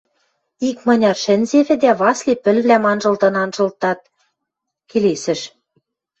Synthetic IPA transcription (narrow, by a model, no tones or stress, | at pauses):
ikmɤ̆nʲɑrʃɘ̆nʲzeβɘ̆d̪æβɑslʲepɘ̆lβlæmɑnʒɤ̆lt̪ɤ̆nɑnʒɤ̆lt̪ːɑt̪̚ | kelesɘ̆ʃ